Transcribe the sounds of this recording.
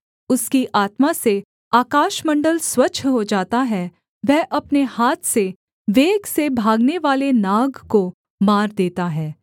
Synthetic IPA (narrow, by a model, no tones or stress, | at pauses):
ʊskiʔaːt̪mase | aːkaːʃmɐ̃ɳɖəlswɐːt͡ʃʰɦod͡ʒaːt̪aɦɛ | ʋɛɦʔɐpnehaːt̪ʰse | ʋeːɡsebʱaːɡneʋaːlenaːɡko | maːɾd̪eːt̪aɦɛː